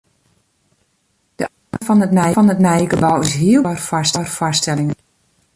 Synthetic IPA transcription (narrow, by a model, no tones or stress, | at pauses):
d̥əaəfɔnətnɛjɔnətnɛjəkəbɔwɪsɦiəlˠrfastɔrfastɛlɪŋən